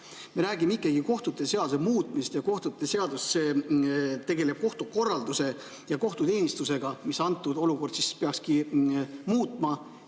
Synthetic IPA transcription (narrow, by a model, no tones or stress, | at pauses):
meɾæːɡ̥imeikːˑeɡ̥iko̞ht̪ut̪ːˑe̞se̞ɑd̪u̥semuːt̪ˑmist̪jɑko̞ht̪ut̪ːˑe̞se̞ɑd̪ust̪se̞ː | t̪e̞ɡe̞le̞b̥̚ko̞ht̪uko̞rːɑld̪̥use̞ | jɑko̞ht̪ut̪e̞ːnʲist̪use̞ɡ̥ɑmisɑnt̪ːˑud̪o̞luko̞rd̪sispe̞ɑkski | muːt̪ˑmɑ